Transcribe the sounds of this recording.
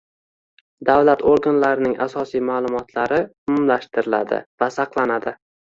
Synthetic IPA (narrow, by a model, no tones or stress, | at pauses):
d̪avlat̪ʰoɾɡanlaɾɪnɪŋʔa̰sɒsijmaːlˠʊmɒt̪ʰlaɾɪʊmʊmlaʃt̪ɪɾɪla̰d̪ɪ̰vasɑqlˠanad̪ɪ